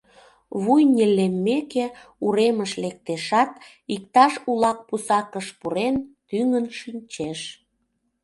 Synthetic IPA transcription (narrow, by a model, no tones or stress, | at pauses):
βujnʲelemːekeuɾeməʃlek̚t̪eʃɑt̪̚ | ik̚t̪ɑʃulɑk̚pusɑkəʃpuɾent̪yŋənʃinʲt͡ɕeʃ